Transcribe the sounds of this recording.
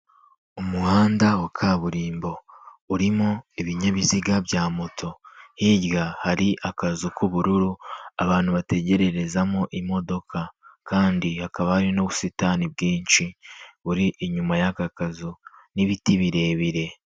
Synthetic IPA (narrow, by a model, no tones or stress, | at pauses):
umuhaːndawakʰaːβuɾiːmbo̞uɾimoiβiɲaβiziɡabɟaːmotʰo̞hiɟɡahaɾiʔakazukʰuβuɾuɾua̰βaːn̥huβate̞ɟe̞ɾe̞ɾe̞zamoʔimo̞do̞kʰakaːndihakaβahaɾinoβusitaːnib̚ɡiːnʃiβuɾiʔiɲumajakakazuniβitiβiɾe̞βiɾe̞